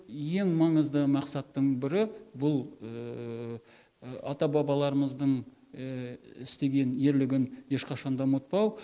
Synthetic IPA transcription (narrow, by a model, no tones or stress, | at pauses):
je̞ŋmɑɴəzd̪əmɑqsɑt̪ːəɴbɪɾɪbʊlˠ | ɑ̰t̪ɑbɑbɑlˠɑɾəməzd̪əɴ | ɪst̪e̞ɡʲe̞nje̞ɾlɪɡʲɪnje̞ʃqɑʃɑnd̪ɑmwot̪̚pɑw